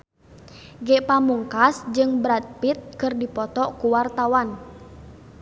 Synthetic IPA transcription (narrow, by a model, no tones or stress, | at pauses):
ɡɛʔpamuŋkasd͡ʒɨŋbɾat̪̚pit̪̚kɨrdipɔt̪ɔʔkuwart̪awan